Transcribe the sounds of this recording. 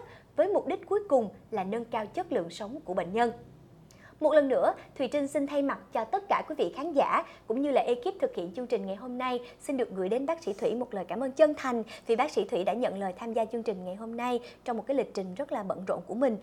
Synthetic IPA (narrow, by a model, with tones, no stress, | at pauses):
t̚ | vəː˨˦jmʊ˨˩k͡p̚ɗi˦˥k̟̚ku˨˦jkʊ˨˩ŋ͡mlaː˨˩nə˧nkaː˧wt͡ɕə˦˥t̚lɨ̰˧˨əŋsə˨˦wŋ͡mku˧˩əɓḛ˧˨ŋ̟ɲə˧n | mo˨˩t̚lə˨˩nːɨ̰˧˥ət̪ʰwi˨˩t͡ɕï˧ŋ̟si˧nt̪ʰa˧jma˨˩t̚t͡ɕɔ˧t̪ə˦˥t̚kaː˧˩kwi˨˦vḭ˧˨xaː˨˦nza̰ː˧˩kʊ̰˧˥ŋ͡mɲɨ˧laː˨˩ʔi˧ki˦˥p̚t̪ʰɨ˨˩k̚hḭ˧˨ənt͡ɕɨ˧əŋt͡ɕï˨˩ŋ̟ŋa˨˩jɦo˧mna˧jsi˧nɗɨ˨˩ək̚ɣɨ̰˧˩jɗe˨˦nɓaː˦˥k̚sḭ˧˥t̪ʰwi˧˩mo˨˩t̚ləː˨˩jkaː˧˩mʔəː˧nt͡ɕə˧nt̪ʰa˨˩jŋ̟t̪ʰi˨˩ɓaː˦˥k̚sḭ˧˥t̪ʰwi˧˥ɗa̰ː˧˥ɲə̰˧˨nləː˨˩jt̪ʰaː˧mzaː˧t͡ɕɨ˧əŋt͡ɕï˨˩ŋ̟ŋa˨˩jɦo˧mna˧jt͡ɕɔ˧ŋ͡mo˨˩kaː˨˦jli˨˩k̟̚t͡ɕï˨˩ŋ̟zə˦˥t̚laː˨˩ɓə̰˧˨nzo̰˧˨nku˧˩əmï˨˩ŋ̟